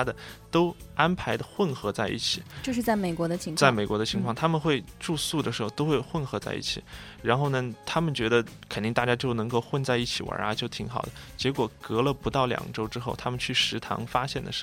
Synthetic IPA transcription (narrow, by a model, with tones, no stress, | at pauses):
a˥d̪ə˨t̪o˥ʊa˥npʰa˧˥ɪd̪ə˨xwə˥˩nxɤ˧˥t͡sa˥˧ɪʔḭ˥˩t͡ɕʰi˨˩t͡ɕjo˥˧ʂɻ̩˥˧t͡sa˥˩ɪme˨˩ɪkwɔ˧˥d̪ə˧t͡ɕʰi˧˥ŋt͡sa˥˩ɪme˨˩ɪkwɔ˧˥d̪ə˧t͡ɕʰi˧˥ŋkʰwɑ˥˩ŋt̪ʰa˥mə˨nxwe˥˧ɪʈ͡ʂu˥˧su˥˩d̪ə˩ʂɻ̩˧˥xo˥˧ʊt̪o˥ʊxwe˥˧ɪxwə˥˩nxɤ˧˥t͡sa˥˧ɪʔḭ˥˩t͡ɕʰi˨˩ɻa˧˥nxo˥˩ʊnə˩t̪ʰa˥mə˨nt͡ɕɥɛ˧˥d̪ə˧kʰə˨˩nt̪i˥˧ŋt̪a˥˩t͡ɕja˥t͡ɕjo˥˩ʊnɤ˧˥ŋko˥˧ʊxwə˥˧nt͡sa˥˧ɪi˥˩t͡ɕʰi˨˩wa̰˞˧˥a˧t͡ɕjo˥˩ʊt̪ʰi˧˥ŋxɑ˨˩ʊd̪ə˦t͡ɕjɛ˧˥kwɔ˨˩kɤ˧˥lə˧pu˧˥t̪ɑ˥˩ʊljɑ̰˨˩ŋʈ͡ʂo˥ʊʈ͡ʂɻ̩˥xo˥˩ʊt̪ʰa˥mə˨nt͡ɕʰy˥˩ʂɻ̩˧˥t̪ʰɑ̰˧˥ŋfa˥ɕjɛ˥˩nd̪ə̰˩ʂ